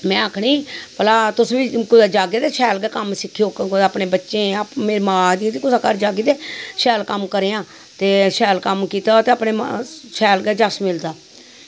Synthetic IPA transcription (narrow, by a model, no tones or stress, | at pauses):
mɛ̃ːaːkʰniːpəlaːt̪ʊsʋiːkʊd̪ːd͡ʒaːɡed̪eːʃʰɛːlɡɛːkəmsɪkʰːijoːkaːpɳeːbətːʃẽːpmeːɾeːmaaːd̪ĩt̪iːkʊsaːkəɾd͡ʒaːɡeːd̪eːʃɛːlkəmkəɾeːãː | t̪eːʃɛːlkəmkiːt̪aːt̪eːapneːʃʰɛːlɡɛːd͡ʒasmɪld̪aː